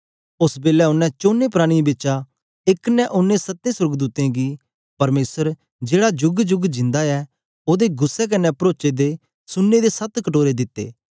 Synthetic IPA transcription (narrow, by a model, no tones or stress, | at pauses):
ʊsbeːlɛʊnːɛ̃t͡ʃoːnːepɾaːɽ̃ibɪt͡ʃa | ɪknɛʔʊnːesɐt̪ːẽsʊɾɡd̪uːt̪ẽɡi | pɐɾmeːsəɾ | d͡ʒeːɽad͡ʒʊɡd͡ʒʊɡd͡ʒɪ̃nd̪aɛ | oːd̪eɡʊsːɛk̬ɐnɛpɾoːt͡ʃed̪e | sʊnːed̪esɐt̪kɐʈoːɾed̪ɪt̪ːḛː